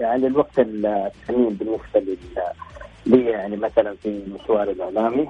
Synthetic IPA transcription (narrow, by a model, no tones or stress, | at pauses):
jaʕnɪlwaɡ̚t̪ɪlt̪ːamiːmbɪnːɪsbalɪl | liːjaʕnimaθalanfilɪʃwɑːɾɪlʔɪʕlaːmi